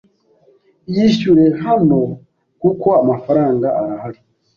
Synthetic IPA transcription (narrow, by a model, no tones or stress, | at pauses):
jiʃuɾe̞ɦano | kuko̞amafaɾaːŋɡaaɾahaɾi